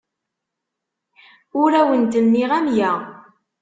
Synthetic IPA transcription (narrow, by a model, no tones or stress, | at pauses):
ʊɾæwənt̪ənːiʁæmjæ